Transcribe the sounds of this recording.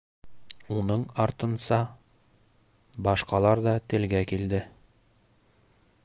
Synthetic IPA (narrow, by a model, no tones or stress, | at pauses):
unɤɴɒɾt̪ɤ̆nsɑ | bɒʃqɑlˠɑɾd̪ɒt̪ɘ̆lɡækild̪ɘ